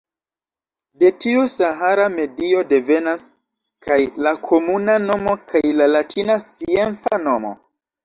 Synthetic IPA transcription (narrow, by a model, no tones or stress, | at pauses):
de̞tiusaɦaɾame̞dio̞de̞ve̞nas | kʰajlakʰo̞munano̞mo̞kʰajlalatʰinast͡sie̞nt͡sano̞mo̞̰